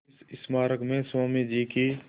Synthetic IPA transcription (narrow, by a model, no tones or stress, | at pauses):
sɪsmaːɾəkmẽswaːmid͡ʒiːki